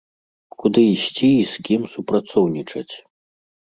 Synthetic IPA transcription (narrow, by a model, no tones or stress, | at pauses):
kud̪ɨisʲt͡sʲiːskʲimsupɾat̪sɔwnʲit͡ʂɐt͡sʲ